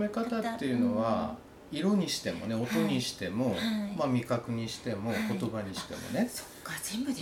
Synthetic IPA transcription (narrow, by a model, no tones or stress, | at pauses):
me̞kat̪at̪ːe̞jɯ̟no̞βa | iɾo̞ɲ̟iɕi̥t̪e̞mo̞̰ne̞o̞t̪o̞ɲ̟iɕi̥t̪e̞mo̞mamʲikakɯ̟ɲ̟iɕi̥t̪e̞mo̞ko̞t̪o̞baɲ̟iɕi̥t̪e̞mo̞̰ne̞so̥kazẽmb